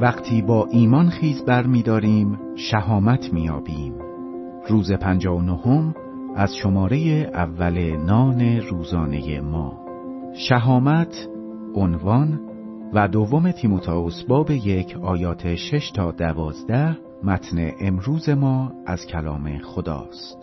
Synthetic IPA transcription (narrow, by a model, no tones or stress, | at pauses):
væɣt̪ʰiːbɒːʔiːmɒnxiːzbæɾmiːd̪ɒːɾiːm | ʃæɦɒːmæt̪ʰmiːjɒːbiːm | ruːze̞pʰænd͡ʒɒːonohom | ʔæzʃo̞mɒːɾe̞jeʔævːæle̞nɒːne̞ɾuːzɒːne̞̰jḛmɒ̰ː | ʃæɦɒːmæt̪ʰ | ʔonvɒn | væd̪ovːo̞me̞t̪ʰimot̪ʰɒosbɒːbe̞je̞cʰɒːjɒːt̪ʰeʃe̞ʃt̪ʰɒːd̪ævɒːzd̪æh | mæt̪ʰnḛʔemɾuːze̞mɒːʔæz̥cʰælɒ̰ːme̞̰xod̪ɒ̰ːst̪